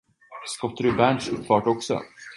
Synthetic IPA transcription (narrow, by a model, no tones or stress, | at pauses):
skɔt̪ːɾɵbænʃɵpfɑːʈɔksɔ̰